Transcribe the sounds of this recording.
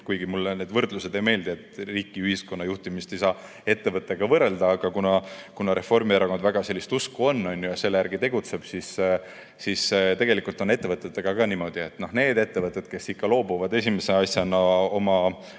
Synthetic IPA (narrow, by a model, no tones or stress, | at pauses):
kujɡ̥imulːne̞d̪̥vɤrd̪̥luse̞d̪e̞jme̞ːld̪eet̪riːkːˑiyhisko̞nːɑjuht̪imist̪e̞jsɑː | e̞t̪ːe̞vɤt̪ːˑe̞ɡ̥ɑvɤrɾe̞ld̪̥ɑːɡ̥ɑkunɑkunɑɾe̞fo̞rmieɾɑko̞nd̪væɡ̥ɑse̞lːist̪uskuo̞nːonʲːjojɑse̞lːejæɾɡit̪e̞ɡ̥ut̪se̞b̥sis | sist̪e̞ɡ̥e̞likult̪o̞ne̞t̪ːe̞vɤt̪ːˑet̪ːeɡ̥ɑkɑːnimo̞d̪̥ie̞t̪ːˑno̞hne̞ːd̪e̞t̪ːe̞vɤt̪ːˑe̞d̪̥ke̞sikːɑlo̞ːbuvɑd̪e̞sʲimeseɑsjɑnɑo̞mɑ